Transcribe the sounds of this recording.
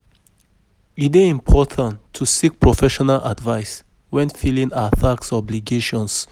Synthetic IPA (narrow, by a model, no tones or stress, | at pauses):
iteĩmpʰɔtʰãntʰːusik̚pʰɹɔfɛʃɔnalʔa̰dvaɪs | wɛ̃nfilĩŋaθaksɔbliɡeʃɔ̃ns